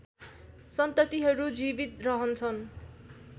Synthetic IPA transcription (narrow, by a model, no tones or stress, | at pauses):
sʌnt̪ʌt̪iɦʌɾud͡zibit̪rʌɦʌnt͡sʰʌn